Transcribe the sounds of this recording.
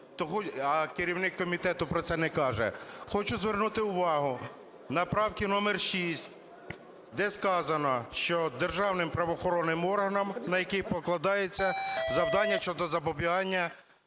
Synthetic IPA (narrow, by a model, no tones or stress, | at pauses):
t̪ɔxɔɐkeɾʲiwnɪkːɔmʲit̪ɛt̪ʊpɾɔt̪sɛnɛkɑʒɛ̰xɔt͡ʃʊzʋernut̪ɪʊʋɑɦʊ | nɐpɾɑwkʲinɔmɛrʃisʲtʲ | d̪ɛskɑzɐnɔʃt͡ʃɔd̪erʒɑwnɪmpɾɐʋɔxɔɾɔnːɪmɔrɦɐnɐmnɐjɐkɪpɔklˠɐd̪ɑjet͡sʲːɐzɐwd̪ɑnʲːɐʃt͡ʃɔd̪ɔzɐbɔbʲiɦɑnʲːɐ